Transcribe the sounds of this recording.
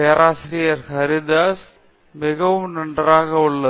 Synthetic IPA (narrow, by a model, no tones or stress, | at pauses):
eːɾʔaːsɾɪjɐɾhɐɾɪd̪aːs | mɪɣɐʋɯmnɐɳɖraːɣɐʊɭːɐ